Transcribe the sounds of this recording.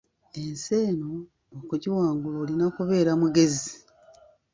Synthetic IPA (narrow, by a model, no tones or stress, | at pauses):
e̞nse̞ːnoː | kuɟiwaːŋɡuloːlinakuβe̞ːɾamuɡe̞zi